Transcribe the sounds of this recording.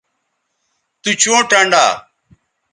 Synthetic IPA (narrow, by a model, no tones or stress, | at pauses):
t̪uːt͡ʃõːʈaɳɖa̰ː